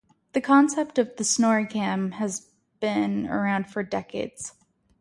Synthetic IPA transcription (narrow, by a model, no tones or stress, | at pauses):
ðɨkʰɑ̃nsɛp̚tʌvðɨsnɔɹikʰæ̃mɨz | b̥ɪ̃nə̰˞ãʊ̃nd̥fə˞dɛkeɪdz̥